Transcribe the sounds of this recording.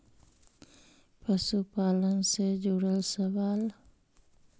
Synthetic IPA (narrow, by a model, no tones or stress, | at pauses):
pəsupaːlənsed͡ʒuɽəlsəʋaːl